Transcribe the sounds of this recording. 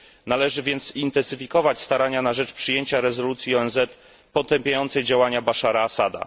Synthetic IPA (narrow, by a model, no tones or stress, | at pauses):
nalɛʐɘvʲjɛnt̪sint̪ɛnsɘfʲikɔvat͡ɕst̪aɾaɲanaʐɛt͡ʂpʂɘjeɲt͡ɕaɾɛzɔlut̪sʲjiɔɛnzɛt̪ | pɔt̪ɛmpʲjajɔnt̪sɛjd͡ʑawaɲabaʂaɾaːsad̪a̰